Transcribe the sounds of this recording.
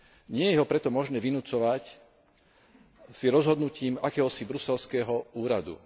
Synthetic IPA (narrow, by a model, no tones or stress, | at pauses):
ɲɪɛjɛɦɔpɾɛt̪ɔmɔʒnɛːʋinut͡sɔʋac | siɾɔzɦɔd̪nuciːmakɛːɦɔsibɾusɛlskɛːɦɔuːɾad̪ṵ